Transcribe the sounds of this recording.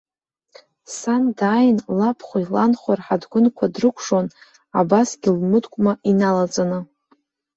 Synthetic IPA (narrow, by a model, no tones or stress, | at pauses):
sandaːjnlapʰχʷailanχʷarħadɡʷʊnkʷʰadrɨkʷʰʂon | abasɡʲilmɨdkʷʼmainalat͡sʼanɨ